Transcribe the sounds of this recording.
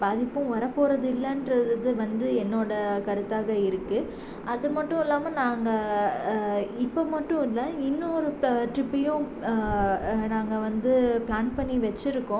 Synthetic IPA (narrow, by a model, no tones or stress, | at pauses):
baːðɪpːɯ̃ʋɐɾɐpːoːɾɐðɯɪlːɐndɾɐððɯʋɐnd̪ɯɛnːoːɽɐkɐɾɯt̪ːaːɣɐɪɾɯkːɯ | ɐðɯmɐʈːʊ̃ɪlːaːmɐnaːŋɡɐ | ɪpːomɐʈːʊ̃ɪlːɐɪnːʊɔɾɯʈɾɪpːɐjʊ̃ | naːŋɡɐʋɐnd̪ɯplaːnpɐɳːiʋɐt͡ʃːɪɾɯkːʊ̃